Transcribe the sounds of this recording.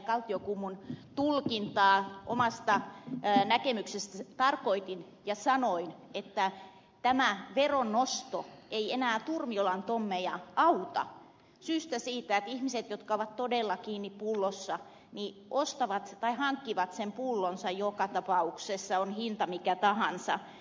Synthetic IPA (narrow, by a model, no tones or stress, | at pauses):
kɑlt̪ːiokumːunt̪ulkint̪ɑːʔo̰mɑst̪ɑnækemyksest̪æt̪ɑrkoit̪in | jɑsɑnoinet̪ːæ | t̪æmæʋeronːost̪oeienæːt̪urmiolɑnt̪omːejɑʔɑut̪ɑ̰ | syːst̪æsiːt̪æet̪ihmiset̪jot̪kɑoʋɑt̪t̪odelːɑkiːnːippulːosːɑ | niʔost̪ɑʋɑt̪t̪ɑihɑŋkːiʋɑt̪sempulːonsɑjjokɑt̪ɑpɑuksesːɑonhint̪ɑmikæt̪ɑhɑnsɑ̰